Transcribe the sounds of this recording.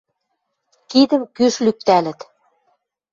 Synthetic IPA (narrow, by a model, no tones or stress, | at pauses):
kid̪ə̆mkyʃlyk̚t̪ælɘ̆t̪